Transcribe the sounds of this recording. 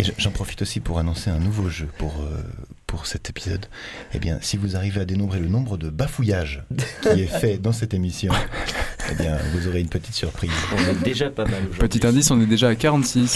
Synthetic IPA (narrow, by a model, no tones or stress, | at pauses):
eʒʒɑ̃pχɔfi̥t̪osipuʁanɔ̃seɛ̃nuvoʒøpuʁø̰ | puʁsɛt̪epizɔ̰d̪ | ḛbjɛ̰̃sivuzaʁivead̪enɔ̃bʁelənɔ̃bʁəd̪əbafujaʒkʲiɛfɛd̪ɑ̃s̬ɛt̪emisjɔ̃ | ḛbjɛ̃vuzoʁeynpət̪i̥t̪syʁpχizɔ̃nɛd̪eʒapamaloʒpət̪it̪ɛ̃d̪isɔ̃nɛd̪eʒaːkaʁɑ̃t̪sis